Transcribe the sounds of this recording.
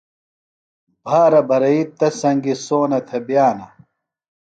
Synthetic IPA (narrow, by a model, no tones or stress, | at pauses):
bʱaːɾɐbʱɐɾɐit̪ɐsɐŋɡisoːnɐt̪ʰebjaːnɐ